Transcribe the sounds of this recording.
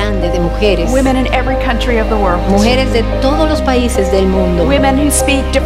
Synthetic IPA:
and̪eðemuxeɾeswɪ̃mɨ̃ñɨ̃nɛvɹikʰʌ̃nt͡ʃɹ̥iʌvðəwɜ˞lˠmuxe̞ɾezðe̞t̪o̞ðozlospaisezðe̞lmũnd̪owɪ̃mɨ̃nhʉspik̚d̥ɨ

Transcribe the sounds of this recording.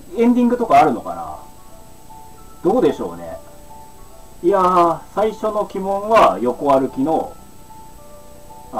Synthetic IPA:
ẽ̞nd̪ʲĩŋɡɯ̟t̪o̞kaːɾɯ̟no̞ka̰na̰ | d̪̥o̞ːd̪e̞ɕo̞̰ːne̞̰ | iasaiɕo̞no̞kʲimõ̞ɰ̃βajo̞ko̞βaɾɯ̟kʲino̞̰

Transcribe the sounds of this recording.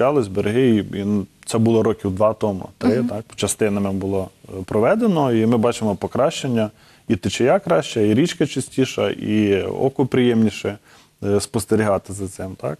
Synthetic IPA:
ɑlˠɪsʲbeɾɦɪiint̪sɛbulˠɔɾɔkʲiwd̪ʋɑt̪ɔmʊ̰t̪ɾɪt̪ɑk̚t͡ʃɐst̪ɪnɐmɪbʊlˠɔpɾɔʋɛd̪enɔimɪbɑt͡ʃemɔpɔkɾɑʃt͡ʃenʲːɐ | it̪ɪt͡ʃejakɾɑʃt͡ʃɐiɾʲit͡ʃkɐt͡ʃɐsʲtʲiʃɐ̰ʔḭɔ̰kʊpɾɪjɛmnʲiʃɛ | spɔst̪eɾʲiɦɑt̪ɪzɐt̪sɪmt̪ɑ̰k̚

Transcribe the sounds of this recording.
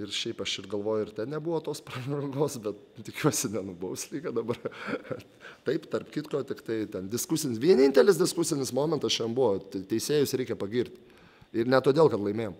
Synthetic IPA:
ɪrʃʲɛɪpɐʃɪrɡɐlˠʋoːjʊɪɾt̪ʲɛnnʲɛbuʋoːt̪oːsprɐʒɐɡoːsbʲɛt̪̚ | t̪ʲɪkʲuɔsʲɪnʲɛnʊbɐʊsʲlʲiːkɐd̪ɐbɐr | t̪ɐɪpt̪ɐrpkʲɪtkoːt̪ʲɪkt̪ɐɪt̪ʲɛndʲɪskʊsʲɪnʲɪsʋʲiɛnʲɪnʲt̪ʲɛlʲɪs̬d̪ʲɪskʊsʲɪnʲɪsmoːmʲɛnt̪ɐsʃʲɛnbuʋoːt̪ʲt̪ʲɛɪsʲeːjʊsɾʲɛɪkʲɛpɐɡʲiɾʲt̪ʲ | ɪɾnʲɛt̪oːd̪ʲeːlˠkɐt̪lˠɐɪmʲeːjom

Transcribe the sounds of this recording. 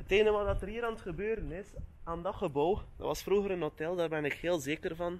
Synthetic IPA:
əteːnəʋɑdɑtəriəɾɑntxəbøːɾənɪsaːndɑχəbowdɑ̰ʋɑsfruɣəɾənɦotɛlˠdaːrbɛnɪkheːlˠzeːkərvɑn

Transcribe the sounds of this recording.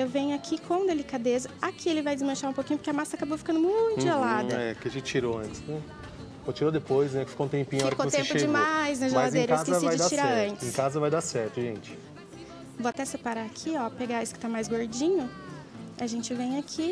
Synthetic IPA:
ewvẽɲʊakʰikʰõw̃d̪elikad̪ezɐakʰielɪvajd͡ʒɪzmɐ̃ʃaɾũpokĩɲʊpʊɾkeɐamasɐakabowfikɐ̃nd̪ʊmũt̪ʊʒelad̪ɐɛ̰kɪaʒẽt͡ʃiɾoɐ̃nt͡ʃɪ̥snɛ | kot͡ʃiɾod̪epojznɛkɪ̥fi̥kõũt̪ẽmpĩɲʊfɔɐkõt̪ẽmpʊd͡ʒɪmajznɐʒelad̪ẽjɾɐeaszkesvajd͡ʒɪd̪at͡ʃiɾaɐ̃nt͡ʃɪẽkazɐvajd̪asɛɾt̪ʊʒẽnt͡ʃɪ̥ | voat̪ɛsepaɾaakʰiɔpeɡaisʊ̥kɪ̥t̪amajzɡoɾd͡ʒĩɲʊ | aʒẽnt͡ʃɪvẽj̃akʰi

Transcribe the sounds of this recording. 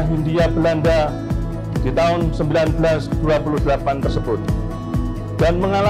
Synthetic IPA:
ɦindiabəlanda | d̥it̪aɦʊnsəmbilanbəlasd̥uapuludəlapant̪ərsəbʊt̪̚ | d̥anməŋala

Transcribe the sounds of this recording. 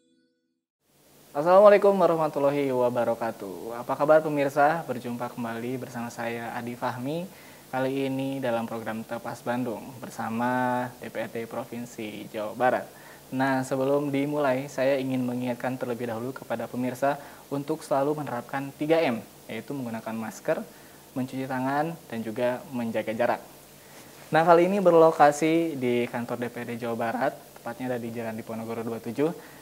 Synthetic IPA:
asalamalekʊmwaɾɔhmat̪ulaɦiwabaɾokat̪ṵapakabapəmirsabərd͡ʒumpakəmbalibərsamasajaa̰difaɦmi | kaliːnidalampɾoɡɾamt̪əpasbandʊŋbərsamadepeɛt̪epɾofinsid͡ʒawabaɾa̰t̪̚ | nahsəbəlʊmdimulajsajaiŋɪnməŋiŋat̪̚kant̪ərləbɪhdaɦulukəpadapəmirsa | unt̪ʊksəlalumənəɾap̚kant̪iɡaɛm | jait̪uməŋɡunakanmaskər | məɲt͡ʃut͡ʃit̪aŋand̥and͡ʒuɡaməɲd͡ʒaɡad͡ʒaɾa̰k̪̚ | nahɦalinibərlokasidikant̪ɔrdepeɛd̪ed͡ʒawabaɾat̪ːə̥mpat̪̚ɲadadid͡ʒalandiponoɡoɾoduat̪ud͡ʒuh

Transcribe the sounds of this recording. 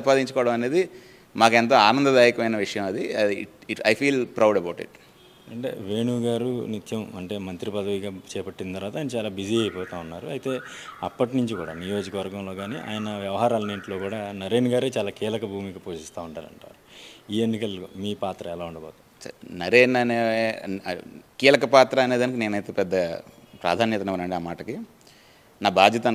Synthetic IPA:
paːd̪iɲt͡ʃɐkɔːʋɐɽɐmɐne̞ːd̪i | maːkɛnt̪ɐaːnɐnd̪ɐd̪aːjɐkɐʋɐjnɐʋiʂɐjɐmɐd̪ḭ | ɐjpʰiːlpɾɐwɖɐbɐwʈḭʈ | ɐɳʈḛːʋe̞ːɳuːɡaːɾunit̪ʰjɐmɐɳʈe̞ːmɐnt̪ɾipɐd̪ɐʋiɡaːt͡ʃɛːpɐʈːind̪t̪ɐɾʋaːt̪aːjinɐt͡ʃaːlaːbiziɐjpɔːt̪aːunːaːɾuɐjt̪e̞ː | ɐpːɐʈinuɲt͡ʃikuːɽa̰ːnijo̞ːd͡ʒikɐʋɐɾɡɐmlo̞ːɡaːnḭʔa̰ːjɐnɐʋjɐʋɐɦaːɾaːlɐneːɳʈlo̞ːkuːɽaːnɐɾeːnɡaːɾeːt͡ʃaːlaːkiːlɐkɐbʱuːmiɡapoːʂist̪aːuɳʈaːlɐ̰ɳʈa̰ːɾuiːenːikɐlmiːpaːt̪ɾɐɛlaːuɳɖɐbɔːt̪ɐsɐ̰nɐɾeːnɐnee | kiːlɐkɐpaːt̪ɾɐːne̞ːd̪ɐnɐkine̞ːnɐjt̪eːpɛd̪ːɐ | pɾa̰ːd̪ʱaːnjɐt̪ɐneʋɐnɐɳɖiaːmaːʈɐki | naːbʱaːd̪jɐt̪ɐ

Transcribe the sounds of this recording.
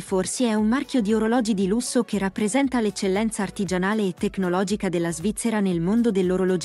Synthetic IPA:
forsiɛumːarkjod̪ioɾolɔːd͡ʒid̪ilusːokerːapːɾezɛnt̪alet͡ʃːelːɛnt̪saːrt̪id͡ʒanaːleːt̪ːeknolɔːd͡ʒikad̪elːazvit̪sːeɾanelmond̪od̪elːoɾolod͡ʒ

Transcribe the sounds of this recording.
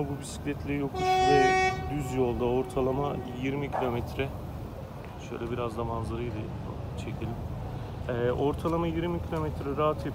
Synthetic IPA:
bubysi̥clʲɛt̪ʰlʲeɾijokluyzɛd̪yzjo̞lˠd̪aoɾt̪ʰalˠamajiɾmicʰilʲo̞mɛt̪ɾɛ | ʃø̞̰jlʲɛbiɾazd̪amanzˠaɾɯjd̪ɯ | t͡ʃʰecʰilʲim | ɛʔo̞ɾt̪ʰalˠamajiɾmicʰilʲo̞mɛt̪ɾɛɾaat̪ʰe

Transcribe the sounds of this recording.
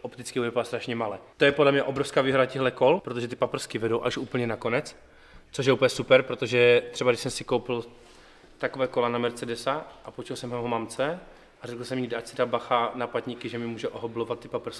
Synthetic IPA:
ʔopt̪ɪt͡skibudɛpaast̪ɾaʃɲɛmalɛːt̪ojɛpodlɛmɲɛʔo̞bɾofskaːviːɦodacɛɦlɛkolpɾot̪oʒɛt̪̬ɪpapr̩skɪvɛdowʔaʃʔuːpl̩ɲɛnako̞nɛt͡s | t͡soʃ̬jɛupəɲɛsupɛɾpɾot̪oʒɛt̪r̥ɛbaɡdɪʃsɛmsɪkowpɪl | t̪akovɛːkolanamɛɾt͡sɛdɛsaʔapot͡ʃɛlsɛmɦɛɦomamt͡sɛ | ʔarɛkl̩sɛmjidat͡sɪdabaxanapat̪ɲikɪʒɛmɪmuːʒɛʔoɦoblovat̪ːɪpapr̩skɪ̥

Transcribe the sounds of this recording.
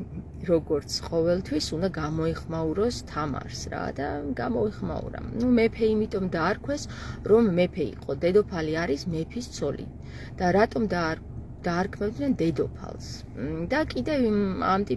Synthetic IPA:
ɾɔɡɔɾt̪sʰqʼɔvɛlˠt̪ʰwisund̪aɡamɔɛχmauɾɔst̪ʰama̰ɾsɾa̰d̪a̰ɡamɔɛχma̰ṵɾa̰numɛpʰɛimit̪ʼɔmd̪aːɾkʰwɛsɾɔmːɛpʰɛḭqʼɔd̪ɛd̪ɔpʰaliaɾismɛpʰist̪sʰɔlḭ | d̪̥aɾat̪ʼɔmd̪ | d̪̥aːɾkʰmɛbd̪nɛnd̪ɛd̪ɔpʰa̰lˠs | d̪akʼid̪ɛva̰mt̪ʼi

